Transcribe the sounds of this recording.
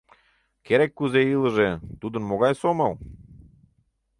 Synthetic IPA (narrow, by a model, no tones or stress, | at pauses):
keɾekːuzeilə̆ʒet̪ud̪ə̆nmoɣɑjsomɑl